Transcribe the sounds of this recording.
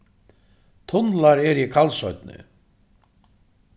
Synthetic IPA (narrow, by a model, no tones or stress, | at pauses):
t̪ʰʊnlaɾɛɾikʰalsɔɥt̪̚nɪ̰